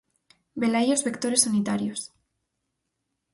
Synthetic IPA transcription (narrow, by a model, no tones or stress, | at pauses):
belajozβekt̪o̞ɾe̞sːanit̪aɾjos